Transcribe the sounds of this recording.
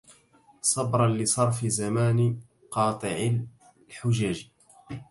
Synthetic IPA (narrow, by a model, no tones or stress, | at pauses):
sˤɑbɾˤɑnlɪsˤɑɾˤfɪzamaːnɪ | qɑːt̪ˤɨʕa | ħʊd͡ʒaːd͡ʒ